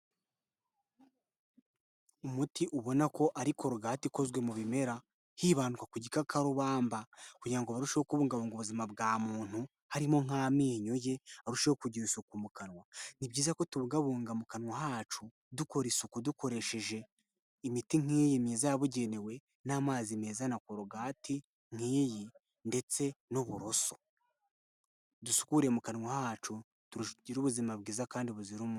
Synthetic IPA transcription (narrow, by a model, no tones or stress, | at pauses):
umutiʔuβo̞nako̞ʔaɾikʰo̞ɾuɡaːtiko̞zwe̞muβime̞ɾa | hiːβaːnukakuɟikakaɾuβaːmbakuɟiɾaŋɡoβaɾuʃejokuβuːŋɡaβuːŋɡoβuzimabɡaːmuːn̥hu | haɾimo̞ŋ̥aːmiːɲoje̞aɾuʃewokuɟiɾusukumukanwanibɟiːzako̞tuβuɡaβuːŋɡamukanwaɦaːt͡ʃu | duko̞ɾisukuduko̞ɾe̞ʃe̞ʒe̞ | imitiŋ̥iːjimezaaβuɟe̞newe̞ | naːmaːzimeːzanakoɾoɡaːti | ŋ̥iːji | nde̞t͡se̞noβuɾo̞so̞̥ | dusu̥kuɾe̞mukanwahaːt͡ʃu | tuɾuɟiɾuβuzimabɡiːzakaːndiβuziɾumu